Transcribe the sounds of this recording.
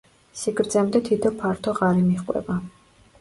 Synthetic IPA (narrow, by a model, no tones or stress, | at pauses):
siɡɾd̪zɛmd̪ɛt̪ʰit̪ʰɔpʰaɾt̪ʰɔʁaɾimiχqʼwɛ̰ba